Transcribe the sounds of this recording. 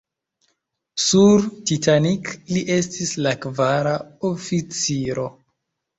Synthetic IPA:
suɾtitanikliʔe̞stislakvaɾaofit͡siɾo̞

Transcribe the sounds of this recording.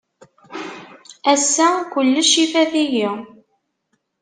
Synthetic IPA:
æsːækʷəlːəʃifæðiji

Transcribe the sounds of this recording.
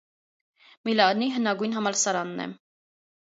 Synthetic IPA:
milɑniɦənɑɡujnɦɑmɑlsɑɾɑnːɛ̰

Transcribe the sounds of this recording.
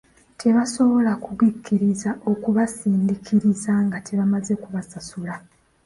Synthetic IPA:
tʰe̞βaso̞βo̞lakuβwikʰːiɾizaʔo̞kuβasiːndikʰiɾizaŋɡatʰe̞βamaze̞kuβasasula

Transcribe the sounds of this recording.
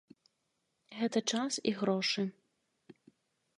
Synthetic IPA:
ɣɛt̪ɐt͡ʂasiɣɾɔʂɨ

